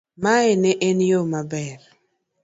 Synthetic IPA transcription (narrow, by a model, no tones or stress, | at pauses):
maeneʔenjomabɛr